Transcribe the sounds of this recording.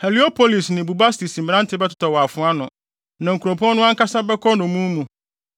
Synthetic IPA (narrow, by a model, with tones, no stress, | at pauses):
hɛ˨li˦o˦pʰo˦li˨snɪ̃˨bu˨ba˦sti˨sm̩˨ã˦n˦tʰɪ˦bɛ˦tʰʊ̥˨tʰɔ˨wɔ˨a˨fʊ̃˦a˦nʊ̃˨ | nã˨ŋ̩˨kʰu˨ɾõ˨pʰɔ̃˦nʊ̃˦a˦ŋ̩˦ka˦sã˦bɛ˦kʰɔ˦nʊ̃˨mũ˦mũ˨